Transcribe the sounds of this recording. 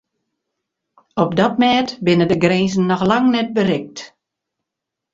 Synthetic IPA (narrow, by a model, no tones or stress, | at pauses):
ɔp̚dɔt̚mɛːtbɪnədəɡreːzən̩ːɔxlaŋnɛt̚bərɪk̚t